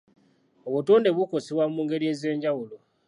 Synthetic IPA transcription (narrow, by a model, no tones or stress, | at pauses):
oβutoːnde̞βukosiβwamuːŋɡe̞ɾie̞ze̞ːɲɟawulo